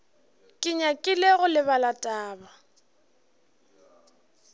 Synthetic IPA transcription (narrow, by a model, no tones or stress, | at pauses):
kʼɪɲakʼɪleɣʊlɪβalatʼaːba